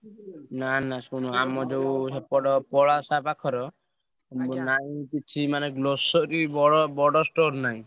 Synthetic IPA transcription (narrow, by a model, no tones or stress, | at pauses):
nanaskunɔamɔd͡ʒeusepɔɽɔpɔɭasapakʰɔɾɔ | mbɔnaĩkit͡ʃʰimaneɡlosɔɾibɔɽɔbɔɽɔsʈoɾnaĩ